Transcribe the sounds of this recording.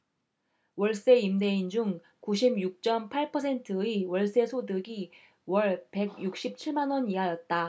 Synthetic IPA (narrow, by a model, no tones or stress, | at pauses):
wʌɭs͈e̞imde̞ind͡ʑuŋ | kuɕ̬ʰibjuk̚t͡ɕ͈ʌmpʰaɭpʰʌsʰe̞ntʰɯiwʌɭs͈e̞sʰodɯɡi | wʌɭpe̞ɡjuk̚ɕ͈ip̚t͡ɕʰiɭmanwʌniɦajʌt̚t͈a